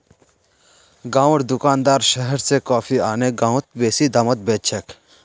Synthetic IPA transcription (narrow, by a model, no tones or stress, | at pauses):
ɡãːwɽd̪ʊkaːnd̪aːɾʃəɦəɾsekɔːfʰiaːneɡãːw̃t̪̚beːsid̪amət̪̚beːt͡ʃʰek